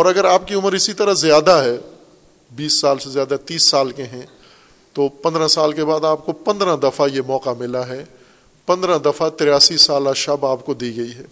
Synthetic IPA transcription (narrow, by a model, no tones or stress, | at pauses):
ɔːɾɐɡəɾaːp̚kiʊməɾɪsit̪ɐɾazjaːd̪aɦɛː | biːsːaːlsezjaːd̪at̪iːsːaːlkeɦɛ̃ | t̪oːpɐ̃nd̪ɾãsaːlkebaːd̪aːp̚kopɐ̃nd̪ɾãd̪ɐfajemɔːqamɪlaɦɛ | pɐ̃nd̪ɾãd̪ɐfat̪ɾjaːsisaːlaʃɐbaːpkod̪iːɡɐiɦɛː